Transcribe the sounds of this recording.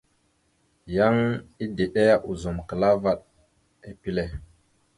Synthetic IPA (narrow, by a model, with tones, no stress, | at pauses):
ja˦ŋi˦de˨ɗe˦a˨ʔu˨zo˨mkə˨la˦va˨ɗ | e˨pi˦le˨